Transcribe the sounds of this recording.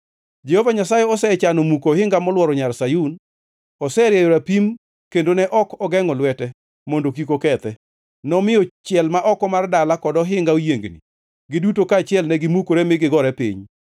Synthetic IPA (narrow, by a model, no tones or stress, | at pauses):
d͡ʒɛhovaɲasajɛɔsɛt͡ʃanɔmukohɪŋɡamɔlwɔɾɔɲarsajun | ɔsɛɾjɛjoɾapim | kendonɛʔɔkɔɡɛŋɔlwɛtɛ | mondokikokɛt̪ɛ | nɔmɪjɔt͡ʃɪɛlmaʔɔkɔmardalakɔdɔɦɪŋɡaojeŋɡnḭ | ɡɪdutokaːt͡ʃɪɛlnɛɡɪmukoɾemɪɡɪɡɔɾɛpḭɲ